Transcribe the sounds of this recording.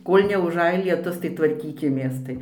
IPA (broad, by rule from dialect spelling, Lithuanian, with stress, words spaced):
ˈkoːlʲ nʲɛʊˈʒɐj lʲiɛˈtʊs tɐɪ tʋɐrʲˈkʲiːkʲɪmʲeːs ˈtɐɪ